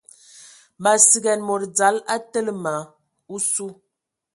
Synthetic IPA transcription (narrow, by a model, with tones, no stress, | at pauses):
ma˨si˨ɡɛ˨nmo˨ɾd͡za˨˦la˦tə˦lə˦ma˨˦ | u˦su˦